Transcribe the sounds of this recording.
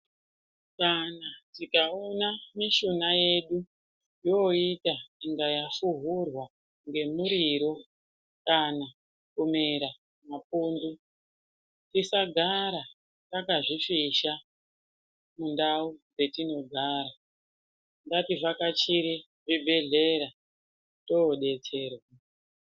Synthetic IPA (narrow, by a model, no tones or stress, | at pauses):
kanatikaonamiʃunaje̞ɗu | joitaiŋɡajafuɦurwa | ŋɡe̞muɾiɾo̞ | kana | kome̞ɾa | mapuːndu | tisaɡʱaɾa | takaʐifiʃa | mundaud͡ze̞tino̞ɡʱaːɾa | ŋɡativakat͡ʃiɾi | ʐibʱe̞ɮe̞ɾa | to̞ːɗe̞t͡se̞ːrwa